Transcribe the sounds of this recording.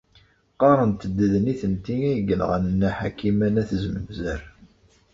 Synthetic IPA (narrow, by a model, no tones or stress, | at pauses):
qɑɾˤənt̪əd̪ːəðəniθənt̪iæjəɡənʁə̰nənːæħakːimænæθzəməmzæɾ